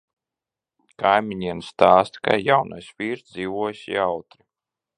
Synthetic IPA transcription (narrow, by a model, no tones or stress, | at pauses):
kajmʲiɲiɛnst̪aːst̪ka̰jawnajsvʲiːɾzd̪ziːvuɔjsḭawt̪ɾi